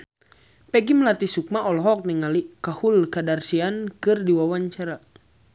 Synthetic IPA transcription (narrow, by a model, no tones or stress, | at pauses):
pɛɡiməlat̪isuk̚maʔɔlɔɦɔk̚niŋalikahulkadarsiankɨrdiwawaɲt͡ʃaɾa